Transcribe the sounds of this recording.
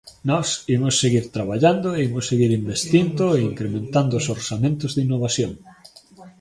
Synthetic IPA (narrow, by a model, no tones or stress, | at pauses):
nɔsimʊsːeɣiɾt̪ɾaβaʎand̪oeimʊsːeɣiɾimbest̪ind̪ʊeiŋkɾemẽnt̪and̪ʊsoɾsamẽnt̪ʊzðinːoβasjoŋ